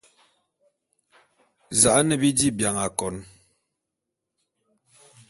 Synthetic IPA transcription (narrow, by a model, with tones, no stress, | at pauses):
za˨ʔnɛ˨bi˦di˦bja˨ŋa˨kɔ˨n